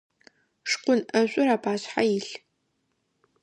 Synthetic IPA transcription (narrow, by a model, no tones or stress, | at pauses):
ʂqʷʊnʔɐɕʷʼʊɾaːbaːɕħajɪɬ